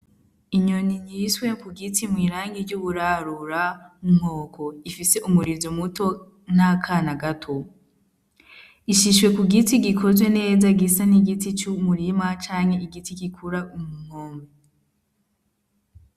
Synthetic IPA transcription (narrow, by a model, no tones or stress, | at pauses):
iɲo̞niɲiswe̞kuɡitimwiːɾaːŋɡiɾɟuβuɾaɾuɾaum̥o̞ːkʰo̞ifise̞ʔumuɾizomuto̞ | n̥akʰanaɡatʰo̞ | iʃiʃwe̞kuɡitiɡikʰozwe̞ne̞ːzaɡisaniɡitit͡ʃumuɾimat͡ʃaːɲhe̞iɡitiɡikʰuɾaumuŋ̥oːmbe